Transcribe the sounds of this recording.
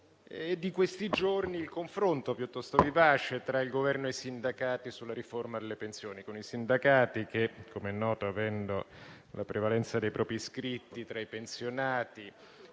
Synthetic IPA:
d̪ːikwest̪id͡ʒorniːlkoɱfɾont̪opjut̪ːɔst̪ovivaːt͡ʃet̪ɾailɡovɛrnoesind̪akaːt̪isulːaɾiformad̪elːepensjoːnikonisind̪akaːt̪ikekʰːomeɛnːɔːt̪oavɛnd̪o | lapɾʔevalɛnt̪sad̪ejpɾʔɔːpiskɾit̪ːit̪ɾaipensjonaːt̪i

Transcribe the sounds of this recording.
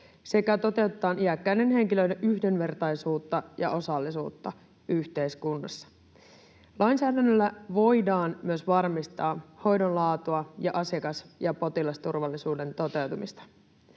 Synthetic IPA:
se̞kæt̪o̞t̪e̞wt̪et̪ɑːniækːæjne̞nɦe̞ŋkiløideʔyhde̞nʋe̞rt̪ɑjsuːt̪ːɑjɑ̰ʔo̞sɑlːisuːt̪ːɑ | yçt̪e̞jskunːɑsːɑ̥ | lɑjnsæːdænːølːæʋo̞jdɑːnmyøsʋɑrmist̪ɑːho̞jdo̞nlɑːt̪uɑjɑʔɑsekɑsjɑpo̞t̪ilɑst̪urʋɑlːisuːde̞nt̪o̞t̪e̞wt̪umist̪ɑ̥

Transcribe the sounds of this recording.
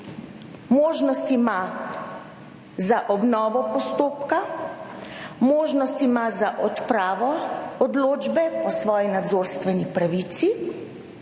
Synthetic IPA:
moːʒnɔst̪ima | zaʔɔbnɔːʋɔpɔst̪oːpka | moːʒnɔst̪imazaʔɔt̪pɾaːʋɔɔd̪loːd͡ʒbɛpɔsʋɔːjinad̪zoːɾst̪ʋɛnipɾaʋiːt̪si

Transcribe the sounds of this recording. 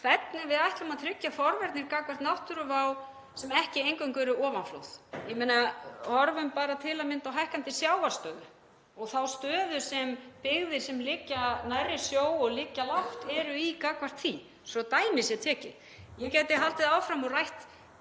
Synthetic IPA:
kʰvɛt̪nɪvɪðajht̪lʏmaðθʰɾɪcːafɔɾvɛɾt̪nɪɾkaːkvar̥t̪naht̪ʏɾʏvaw | sɛmɛhcɪejŋkœŋkʏɛɾʏʔɔːvanflo̰wθjɛmejnahɔɾvʏmpaːɾat̪ʰɪlamɪnt̪awɦajhkant̪ɪsjaːwvaɾ̥st̪œːðʏ | ɔɣθawst̪œːðʏsɛmpɪɣðɪɾ̥sɛmlɪcːanajrːɪ̥sjoːwɔɣlɪːcːalaft̪ɛɾʏikaːkvar̥t̪θi | sɔt̪aːjmɪsjɛt̪ʰɛːcɪ̰ | jɛcɛjt̪ɪɦalt̪ɪðaːwfɾamɔrajht̪

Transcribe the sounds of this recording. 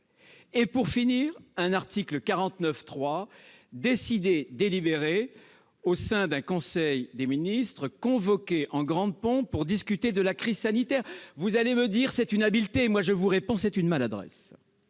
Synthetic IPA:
epuʁfiniːʁɛ̃naʁt̪ikləkaʁɑ̃t̪nœft̪χwa | d̪esid̪ed̪elibeʁe | osɛ̃d̪ɛ̃kɔ̃sɛjd̪eminist̪χəkɔ̃vɔkʲeʔɑ̃ɡʁɑ̃d̪̚pɔ̃puʁd̪iskʲyt̪ed̪əlakχizsanit̪ɛʁvuzaleməd̪iʁsɛt̪ynabilt̪emwaʒəvuʁepɔ̃sɛt̪ynmalad̪ʁɛ̰s

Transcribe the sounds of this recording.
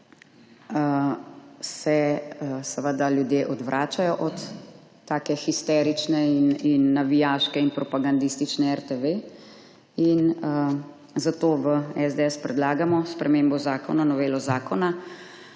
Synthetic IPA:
ə | sɛsɛʋəd̪aljud̪jeːʔɔd̪ʋɾʔaːt͡ʃajɔʔɔt̪ː | aːkɛxist̪ɛːɾit͡ʃnɛininːaʋijaːʃkɛinpɾɔpaɡand̪ist̪it͡ʃnɛɛɾt̪eʋe | inə | zat̪oːʋəɛzd̪eɛspɾɛd̪laːɡamɔspɾɛmeːmbɔzaːkɔnanɔʋeːlɔzaːkɔna

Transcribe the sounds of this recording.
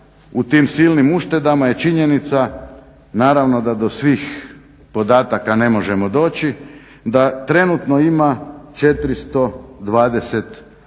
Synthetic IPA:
ut̪iːmsilnimuʃt̪e̞d̪amaje̞t͡ʃiɲe̞nit̪sa | naːɾaʋno̞d̪ad̪o̞sʋiːx | po̞d̪aːt̪akane̞mo̞ʒe̞mod̪o̞ːt͡ɕi | d̪at̪ɾe̞nut̪noimat͡ʃe̞t̪ɾist̪o̞d̪ʋaːd̪e̞se̞t̪

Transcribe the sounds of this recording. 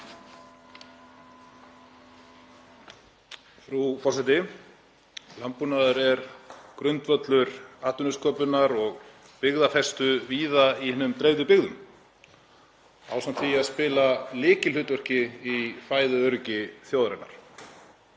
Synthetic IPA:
fɾufɔrsajt̪ɪ | lampːunaðʏɾɛɾkɾʏnt̪vœt̪lʏɾaːt̪ʏnʏskœːpʏnaɾɔɣ | pɪɣðafɛst̪ʏviːðaihɪnːʏmt̪ɾejðʏpɪɣðʏm | a̰wsant̪ʰfiaðspɪːlalɪːcɪlʏt̪vœr̥cɪifaːjðʏœɾcɪθjowðɾɛna̰ɾ̥

